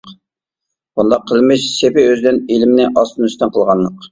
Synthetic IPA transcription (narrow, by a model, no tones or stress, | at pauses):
bund̪ɑqʰːəlˠmɪʃsepɪøzɪd̪ɪnelɪmɪnɪʔɑst̪ɨnyst̪ɛnqʰəlˠʁɑnlːəq